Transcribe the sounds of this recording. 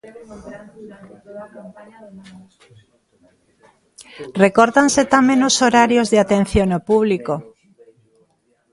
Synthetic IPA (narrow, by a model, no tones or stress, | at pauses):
rekoɾt̪anset̪amẽnosoɾaɾjozðeat̪ẽn̟θjonopuβliko